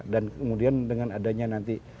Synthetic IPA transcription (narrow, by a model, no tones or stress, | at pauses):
dankəmudiandəŋanadaɲanant̪i